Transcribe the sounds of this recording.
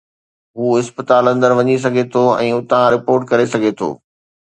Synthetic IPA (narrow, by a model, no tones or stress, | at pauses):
ɦuːɪspɪt̪aːlɐ̃nd̪əɾʋɐɲis̬ɐɡʱet̪ʰoɛ̰̃ːʊt̪ãɾɪpoːɾʈ̚kɐɾesɐɡʱet̪ʰo̰ː